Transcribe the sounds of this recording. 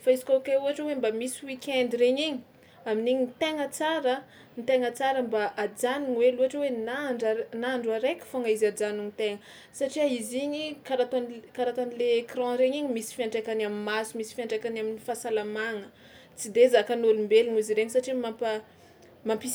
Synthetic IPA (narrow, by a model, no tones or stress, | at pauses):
faizi̥kokeuɦaʈ͡ʂewembamisiwikʲɛnd̪iɾeɲiɲi | aminiɲint̪eŋət͡saɾə | nit̪eŋət͡saɾəmbaʔad͡zaniɲweluaʈ͡ʂewenaɳɖ͡ʐanaɳɖ͡ʐaɾekʲfoŋaizad͡zaniŋit̪eŋə | saʈ͡ʂiaiziɲikaɾat̪ankaɾat̪anileːkrɑ̃ɾeɲiɲimisi̥fiaɳɖ͡ʐakanamimasumisi̥fiaɳɖ͡ʐakanaminifasalamaŋə | t͡sid̪ezakanulumbeliɲiziɾeɲisaʈ͡ʂimampa | mampi